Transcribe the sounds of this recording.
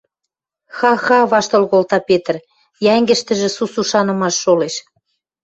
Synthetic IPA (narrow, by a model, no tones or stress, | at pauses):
xɑxɑβɑʃt̪ŏlɣolt̪ɑpet̪ə̆r | jæŋɡə̆ʃt̪ə̆ʒĕsusuʃɑnə̆mɑʃːoleʃ